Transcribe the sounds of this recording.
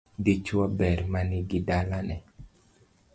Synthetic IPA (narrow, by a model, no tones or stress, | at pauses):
dit͡ʃwabɛɾmaniɡidalanɛ